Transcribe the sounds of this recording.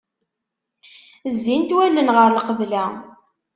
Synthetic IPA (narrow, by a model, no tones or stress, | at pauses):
zːint̪wælːənʁəɾlqəvlæ